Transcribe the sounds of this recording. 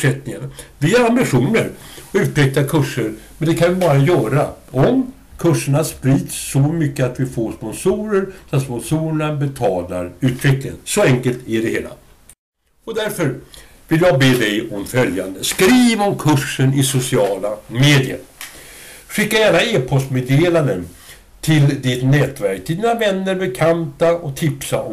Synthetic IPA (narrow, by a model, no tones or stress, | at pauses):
ʂɛt̪nɪŋanavɪæɾambɪɧuːnəɾɔʉ̟ːt̪ʰɾɛk̚t̪akʰɵʂːəɾmɛnd̪ɛkʰanvɪbɑːɾajœːɾaɔm | kʰɵʂːəɳaspɾiːd̪sːɔmʏkːəat̪vɪfoːʂpɔnsuːɾəɾsat̪spɔnsuːɾəɳabɛt̪ʰɑːlaɾʉ̟ːt̪ʰɾɛklɪənsɔɛŋkəlt̪æɖɛheːla̰ | ɔd̪æɾfœɾ | vɪljɑɡ̚beːd̪ɛjɔmfœljand̪əskɾiːvɔmkʰɵʂːənɪsʊsɪɑːlameːd̪ɪə̰ɾ | ɧɪkːajæːɳaeːpʰɔst̪meːd̪eːland̪ən | t̪ʰɪld̪ɪt̪nɛːt̪væɾkt̪ʰɪld̪iːnavɛnːəɾbɛkʰant̪aɔt̪ʰɪpsaɔ